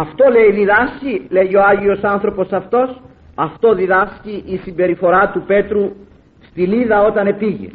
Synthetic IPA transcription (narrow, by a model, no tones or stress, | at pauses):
ɐft̪o̞le̞iðiðɐscile̞ʝio̞ɐʝio̞sɐnθɾo̞po̞sɐft̪o̞s | ɐft̪o̞ðiðɐsciʔːsimbe̞ɾifo̞ɾɐt̪upe̞t̪ɾu | st̪iliðɐo̞t̪ɐne̞piʝḛ